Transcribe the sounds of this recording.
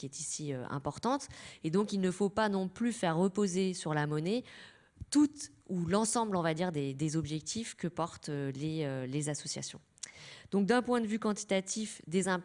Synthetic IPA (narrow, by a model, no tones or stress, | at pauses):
kʲiɛt̪isiø̰ɛ̰̃pɔʁt̪ɑ̃t̪ed̪ɔ̃kilnəfopanɔ̃plyfɛʁːəpozesyʁlamɔnɛ | t̪ut̪ulɑ̃sɑ̃blɔ̃vad̪iʁd̪ed̪ezɔbʒɛk̚t̪ʰifkəpɔʁt̪øleølezasɔsja̰sjɔ̰̃ | d̪̥ɔ̃k̚d̪ɛ̃pwɛ̃d̪əvykɑ̃t̪i̥t̪at̪ifd̪ezɛ̃